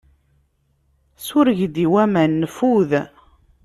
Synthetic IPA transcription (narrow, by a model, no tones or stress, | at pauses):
sʊɾəʝd̪iwæmænːəfuð